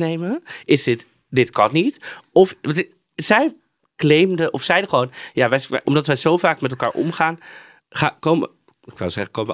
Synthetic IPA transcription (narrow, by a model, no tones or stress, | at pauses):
nejməɪsdɪt | dɪtkɑnnitɔfʋt | zɛj | klejmdəʔɔfsɛjdəχəʋownjaːʋɛɛʔɔmdɑtʋɛjzowvaːkmɛtɛlˠka̰ːɹʔɔ̰mχaːn | χakom | ɪkʋɪ̰lˠzɛχəkowməʋə